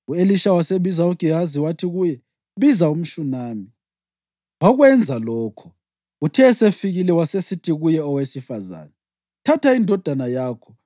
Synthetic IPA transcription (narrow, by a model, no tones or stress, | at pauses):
ueliʃawaseβizauɡ̥ʱiɦaziwatʰiɣujɛ | βizaum̩ʃunaːmi | waɣwɛnd͡zʱalɔːkʰɔ̥ | utʰɛsefiɣilɛwasesitʰiɣujɛɔwesifa̰za̰ːnɛ | tʰatʰaindʱɔd̥ʱanajaːkʰɔ